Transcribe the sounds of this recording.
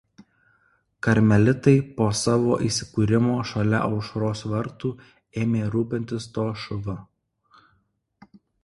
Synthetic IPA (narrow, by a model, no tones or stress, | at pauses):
kɐɾʲmʲɛlʲɪt̪ɐɪpoːsɑːʋoːʔiːsʲɪ̥kuːɾʲɪmoːʃɐlʲɛ̰ʔɒʊʃɾoːsʋɐɾt̪uː | eːmʲeːɾuːpʲɪnʲt̪ʲɪst̪oːʃʊʋɐ